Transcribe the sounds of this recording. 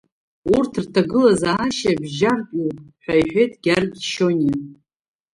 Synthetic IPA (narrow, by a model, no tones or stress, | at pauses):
urtʰrtʰaɡɨlazaːʃabʒarkʼupʼħʷᶣajħʷᶣejtʼɡ̥ʲarɡʲʃoni